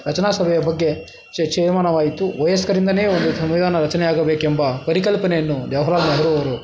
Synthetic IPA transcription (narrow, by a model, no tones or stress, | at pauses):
ɾɐt͡ʃɐnaːsɐbʱɛjɐbɐɡːe | t͡ʃet͡ʃɛːɾmaːnɐʋaːjit̪uʋɐjɐskɐɾind̪ɐneːond̪usɐmʋid̪ʱaːnɐɾɐt͡ʃɐnɛjaːɡɐbeːkɛmbɐpɐɾikɐlpɐnejɐnːud̪jɐʋɐɦɐɾaːlnɐɦɐɾuɐʋɐɾu